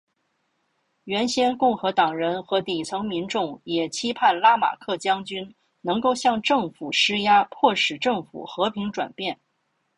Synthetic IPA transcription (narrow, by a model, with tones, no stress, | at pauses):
ɥɛ˧˥nɕjɛ˥nkʊ˥˩ŋxɤ˧˥t̪ɑ˨˩ŋɻə˧˥nxɤ˧˥t̪i˨˩t͡sʰɤ˧˥ŋmi˧˥nʈ͡ʂʊ˥˩ŋjɛ˨˩t͡ɕʰi˥pʰa˥˩nla˥ma̰˨˩kʰɤ˥˩t͡ɕjɑ˥ŋt͡ɕy˥n | nɤ˧˥ŋko˥˧ʊɕjɑ˥˧ŋʈ͡ʂɤ˥˩ŋfu˨˩ʂɻ̩˥ja˥pʰwɔ˥˩ʂɻ̩˨˩ʈ͡ʂɤ˥˩ŋfṵ˨˩xɤ˧˥pʰi˧˥ŋʈ͡ʂwa̰˨˩npjɛ˥˩n